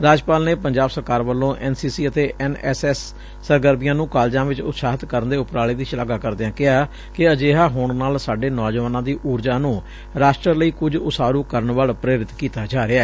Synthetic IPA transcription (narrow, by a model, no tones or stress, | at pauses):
ɾaːd͡ʒpaːlneːpəɲd͡ʒaːbsəɾkaːɾʋəlːõːʔɛːnsiːsiːət̪eːʔʔɛːnɛsɛːsː | əɾɡəɾbɪjãːnũːkaːld͡ʒãːʋɪt͡ʃʊ̰t̪saːɦɪt̪kəɾənd̪eːʊpɾaːleːd̪iːʃɪlaːɡaːkəɾd̪eãːkɪɦaː | kɪəd͡ʒeːɦaːɦʊɳnaːlsaːɖeːnɔːd͡ʒəʋaːnãːd̪iːʔuːɾd͡ʒaːnũː | ɾaːʃʈɾələiːkʊd͡ʒʊsaːɾuːkəɾəɳʋaːlpɾeːɾɪt̪kiːt̪aːd͡ʒaːɾɪɛː